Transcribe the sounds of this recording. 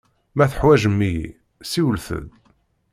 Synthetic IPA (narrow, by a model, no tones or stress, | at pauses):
mæθə̥ħwæʒəmːijḭ | siwəlθə̰ð